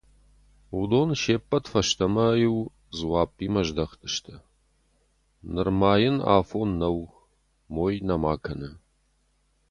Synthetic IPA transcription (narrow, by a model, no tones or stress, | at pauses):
ud̪oːnʃeːpʼːɐtfɐʃt̪ʰɐmɐjɪw | zwaːpʼːiːmɐʒd̪ɐχt̪ʰɨʃtʰɐ | nɨrmaːjɪna̰ːfoːnːɐw | moːjnɐmaːkʰɐnɐ